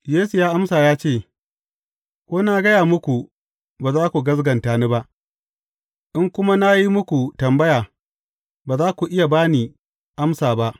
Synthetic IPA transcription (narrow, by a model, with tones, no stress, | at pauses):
jeː˦su˨jaː˦ʔa˦msaː˨jaː˦t͡ʃeː˦˨ | kʷoː˦na˦ɡɐ˦jaː˨mʊ˦kʷu˨ | baː˨zaː˦kʷu˨ɡɐ˦z̬ɡɐ˨ntaː˨ni˦ba˦ʔ | ʔɪ˦ŋkʷʊ˦ma˦na˦ji˦mʊ˦kʷu˨tɐ˨mbɐ˦jaː˨ | baː˨zaː˦kʷu˨ʔɪ˦ja˨baː˦niː˨ | ʔa˦msaː˨ba˦ʔ